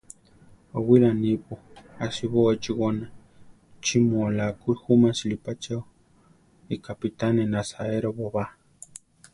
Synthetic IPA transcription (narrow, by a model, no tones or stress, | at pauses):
owilanipuasiβot͡ʃiɣona | t͡ʃimuolakuxumasilipat͡ʃaw | ikapit̪anenasaeɾoβoβa